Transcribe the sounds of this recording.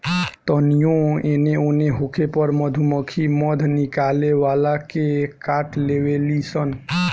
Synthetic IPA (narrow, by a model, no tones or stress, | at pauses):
t̪ənijõeneoneɦokʰepəɾməd̪ʱuməkʰiməd̪ʱnɪkaleʋalakekaːʈleʋelisən